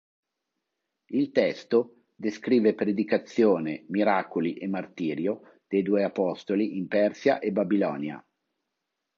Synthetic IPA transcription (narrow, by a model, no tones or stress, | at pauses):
ilt̪ɛst̪o | d̪eskɾiːvepɾed̪ikat̪sjoːnemiɾakoliʔemart̪iːɾjo | d̪̥ejd̪uːeapɔst̪oliʔimpɛrsjaʔebabilɔ̰ːnja̰